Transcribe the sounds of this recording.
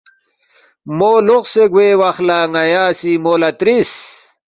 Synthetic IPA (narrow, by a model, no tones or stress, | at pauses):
moːloqseɡweːwɐχlaŋɐjaːsimoːlɐt̪ɾis